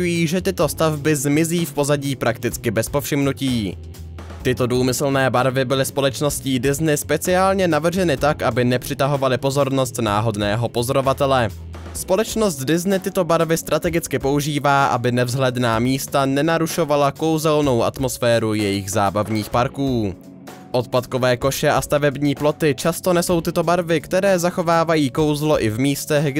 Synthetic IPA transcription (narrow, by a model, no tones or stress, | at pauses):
ujiːʒɛt̪ɪt̪o̞st̪avbɪzmɪziːfpo̞zaɟiːpɾakt̪ɪt͡skɪbɛspo̞fʃɪmnuciː | t̪ɪt̪o̞duːmɪsl̩nɛːbaɾvɪbɪlɪspo̞lɛt͡ʃno̞sciːdɪznɪspɛt͡sɪaːlɲɛnavr̩ʒɛnɪt̪akʔabɪnɛpr̝̥ɪt̪aɦo̞valɪpo̞zo̞ɾno̞st̪naːɦo̞dnɛːɦo̞po̞zo̞ɾo̞vat̪ɛlɛ | spo̞lɛt͡ʃno̞st̪dɪznɪt̪ɪt̪o̞baɾvɪst̪ɾʔat̪ɛɡɪt͡skɪpo̞uʒiːvaːʔa̰bɪnɛvzɦlɛdnaːmiːst̪anɛnaɾuʃo̞valako̞wzɛlno̞wʔa̰t̪mo̞sfɛːɾujɛjɪɣza̰ːbavɲiːxpaɾkuː | ʔo̞t̪̚pat̪ko̞vɛːko̞ʃɛʔast̪avɛbɲiːplo̞t̪ɪt͡ʃast̪o̞nɛso̞wt̪ɪt̪o̞baɾvɪkt̪ɛɾɛːzaxo̞vaːvajiːko̞wzlo̞ʔɪvmiːst̪ɛɣɡ